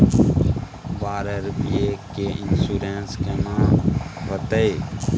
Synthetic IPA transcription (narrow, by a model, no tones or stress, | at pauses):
baːɾəɾpiekeɪnsuːɾẽːnskenãːʋət̪e